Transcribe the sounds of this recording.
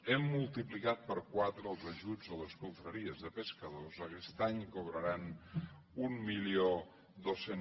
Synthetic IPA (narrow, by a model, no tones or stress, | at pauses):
emːulˠt̪iplikat̪̚pəɾkwat̪ɾəːlˠzəʒud͡zoləskuɱfɾəɾiəzðəpəskəðozəkɛst̪aɲkoβ̞ɾəɾan | umːilio | d̪osen